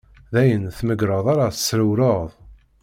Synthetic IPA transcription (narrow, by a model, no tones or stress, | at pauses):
ðæjənθməɡɾˤəðˤaɾaθə̥sːɾəwɾoðˤ